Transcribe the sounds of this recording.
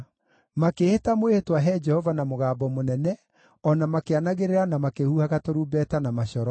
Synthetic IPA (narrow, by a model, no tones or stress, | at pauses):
makehetamoehetwaɦɛd͡ʒɛhɔvanamoɣaːbɔmonɛnɛ | ɔnamakeanaɣeɾeɾanamakehuhaɣatoɾuːbɛtanamaɕɔɾɔ